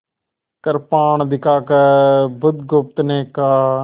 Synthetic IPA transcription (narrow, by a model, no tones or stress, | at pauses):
kəɾpaːɳd̪ɪkaːkəbʊd̪ɡʊp̚t̪neːkaː